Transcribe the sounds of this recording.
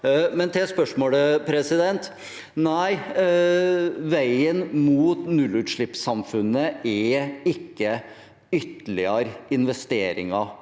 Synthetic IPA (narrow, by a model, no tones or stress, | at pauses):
mɛnt̪ʰɛspœʂmoːləpʰɾɛsɪd̪ɛnt̪ | næɪ | ʋæɪənmuːt̪nʉlːʉːt̪ʂɭɪpsɑmfʉnːəɛɪkːə | ʏt̪əlɪɑɾɪnʋɛst̪eːɾɪ̰ŋɑ